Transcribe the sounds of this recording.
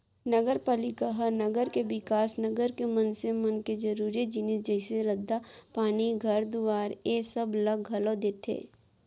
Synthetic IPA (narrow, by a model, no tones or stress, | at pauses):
nɐɡəɾpaːlɪkaɦɐɾnɐɡəɾkeʋɪkaːsnɐɡəɾkemɐnsemɐnked͡ʒɐɾuːɾid͡ʒɪnɪsd͡ʒɛɪseɾɐd̪ːapaːniɡʱɐɾd̪uʋaːɾeːsɐblɐɡɡʱɐlod̪eːt̪ʰḛː